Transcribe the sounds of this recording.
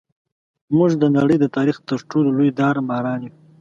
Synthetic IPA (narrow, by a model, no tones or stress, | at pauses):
muʐd̪ənaɽəjd̪ət̪ɑɾixt̪əɾʈololojd̪ɑɾmɑːɾɑːnju